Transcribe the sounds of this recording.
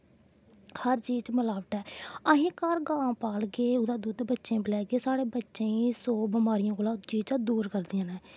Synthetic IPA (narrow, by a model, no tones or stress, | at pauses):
həɾt͡ʃiːd͡ʒt͡ʃməlaːʋʈɛːəɦĩːkaːɾɡãːpaːlɡeːʊd̪aːd̪uːd̪bətːʃẽːblɛːɡeːsaːɽeːbətːʃẽːĩsoːbɪmaːɾijãːkoːlaːt͡ʃiːd͡ʒt͡ʃãːd̪uːɾkəɾd̪ijãːnɛ̃ː